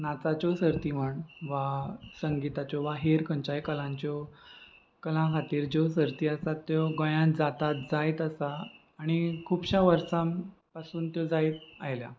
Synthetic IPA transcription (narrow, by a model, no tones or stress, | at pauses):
nat͡sat͡ɕɔsəɾt̪im̤əɳʋasəŋɡit̪at͡ɕɔʋaɦeɾkəɲt͡ɕajkəlãɲt͡ɕɔ | kəlãkʰat̪iːɾd͡ʑos̬əɾt̪iːəsat̪ːjɔɡə̃jãd͡zat̪at̪̚d͡zajt̪əsaː | ɽ̃ikʰuːbɕaʋəɾsãmpasuːnt̪jɔd͡zait̪̚ajlja̰